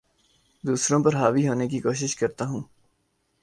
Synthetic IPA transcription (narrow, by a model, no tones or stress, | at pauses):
d̪uːsɾõpɐɾɦaːʋiɦoːnekikoːʃ̬ɪʃkɐɾt̪aɦũː